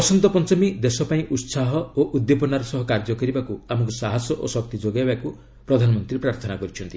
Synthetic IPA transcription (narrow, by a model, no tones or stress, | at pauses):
ɔsɔnt̪ɔpɔnt͡ʃɔmid̪esɔpaĩʔut̪saɦɔoʔud̪jep̬ɔnaɾɔsɔɦɔkaɾd͡ʒɔkɔɾibakuamɔŋkɔsaɦasɔʔo̰sɔkt̪id͡ʒoɡaebaku | pɾɔd̪ʱanɔmɔnt̪ɾiɾepɾaɾt̪ʰɔnakɔɾit͡ʃʰɔnt̪i